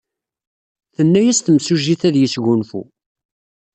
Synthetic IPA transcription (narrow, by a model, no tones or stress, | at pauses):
θənːæjæst̪əmsuʒiθæðjəsʝʊnfṵ